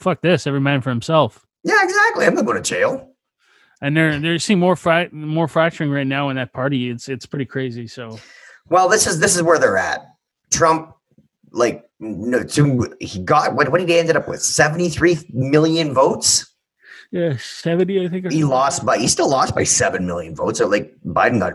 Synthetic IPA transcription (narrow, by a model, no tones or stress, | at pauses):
fʌk̚ðɪsɛvɹimãɪ̃nfə˞hɨ̃m̩sɛlˠf | jæɪɡzæk̚tˡliãmðəmoʊ̃ɾɨt͡ʃʰeɪlˠ | ɨ̃nðə˞ðə˞sĩmɔɹfɹaɪt̚mɔɹfɹæk̚t͡ʃə˞ɪ̃ŋɹaɪtⁿnaʊə̃nðɨt̚pʰɑɹɾiɪtsɨtspʰɹ̥ɪɾikʰɹ̥eɪzisoʊ | wɛlˠðɪsɨzðɪsɨzwə˞ðə˞æ̰t̚ | tʰɹ̥ʌ̃mp̚ | laɪk̚ | notʰɨhiɡɑt̚wʌn̚wʌ̃niɾɛ̃ndɨɾʌpwɨ̰ð̥sɛvn̩tiθɹimɪlˠjɨ̃nvoʊts | jæsɛvɨ̃ntiaɪθɪ̃ŋkhilɔst̚b̥aɪhistɪlˠɔstb̥aɪsɛvɨ̃nmɪlˠjɨ̃nvoʊtsəlaɪk̚b̥aɪdⁿn̩ɡɑ̰t